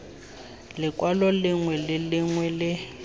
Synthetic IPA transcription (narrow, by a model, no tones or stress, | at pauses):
lɪkʼwalɔlɪŋwɛlɪlɪŋwɛlɪ